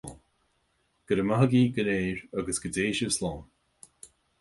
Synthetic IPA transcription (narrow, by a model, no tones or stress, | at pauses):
n | ɡ̥əɾəmaɦəɡiːɡəneːɹaɡəsɡ̥ədeːʃəvslɑːn